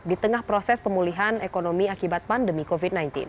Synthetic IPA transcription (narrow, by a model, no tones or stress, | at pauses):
dit̪əŋahpɾosɛspəmuliɦanekonomiakibat̪̚pandəmikovit̪̚najnt̪ḭn